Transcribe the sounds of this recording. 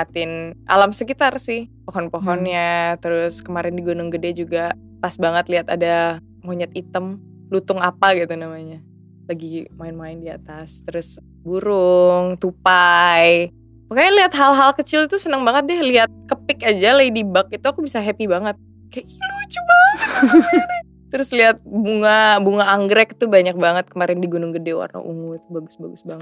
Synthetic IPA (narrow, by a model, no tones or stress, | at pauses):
at̪ɪnʔa̰lamsəkit̪arsɪhpoɦɔnpoɦɔnɲat̪əɾʊskəmaɾɪndiɡunʊŋɡədɛd͡ʒuɡa | pasbaŋət̪liɦat̪ada | moɲat̪it̪əm | lut̪ʊŋapaɡit̪unamaɲa | laɡimaɪnmaɪndiat̪ast̪əɾʊs | buɾʊŋt̪upaj | pakaaliat̪ɦalɦalkət͡ʃɪlt̪usənəŋbaŋət̪̚dɛhliɦat̪̚kəpɪkad͡ʒalaidibak̚it̪uakubisaɦɛpibaŋət̪̚ | kajailut͡ʃuma | t̪əɾʊsliɦat̪̚buŋabuŋaːŋɡɾɛk̚t̪ubaɲak̚baŋət̪̚kəmaɾɪndiɡunʊŋɡədɛwa̰rna̰ʔṵŋut̪̚baɡʊsbaɡʊsbaŋət̪̚